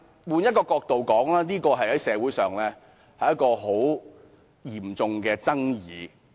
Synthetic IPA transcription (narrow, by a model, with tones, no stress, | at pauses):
wuː˨˧njɐ˥t̚kɔː˧kɔː˧k̚t̪o˨wkɔː˨˥ŋlaː˥niː˥kɔː˧ɦɐ˨jhɐ˨˥jsɛː˨˥wuː˨˥jsœː˨˩ŋlɛː˥ | hɐ˨jɐ˥t̚kɔː˧ɦo˨˥w | jiː˨˩mt͡sʊ˨˧ŋkɛː˧t͡sɐ˥ŋjiː˨˧